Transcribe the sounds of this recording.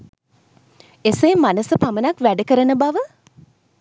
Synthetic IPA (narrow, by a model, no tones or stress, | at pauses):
eseːmanəsəpamənakʋæɖəkəɾənəbaʋə